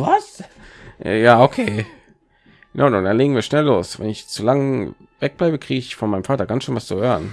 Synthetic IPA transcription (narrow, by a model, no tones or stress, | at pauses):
vasʔɛ̰jaːokʰeː | nʔaʊdandanleːɡŋ̩viːɐʃnɛlːoːsvɛ̰nɪçt͡sulaŋ | vɛk̚b̥laɪbəkʁ̥iːɡəɪçfɔnmaɪəmfaːtɐɡansʃøːnvast͡suhøːʁən